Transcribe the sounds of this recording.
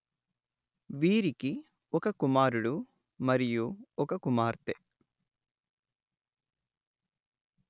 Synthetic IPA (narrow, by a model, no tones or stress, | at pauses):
ʋiːɾiki | ɔkɐkumaːɾuɽu | mɐɾijuɔkɐkumaːɾt̪e